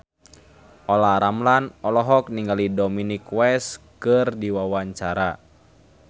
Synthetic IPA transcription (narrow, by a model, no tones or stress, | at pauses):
ʔɔlaɾamlanɔlɔɦɔk̚niŋɡalidɔminikwɛskɨrdiwawaɲt͡ʃaɾa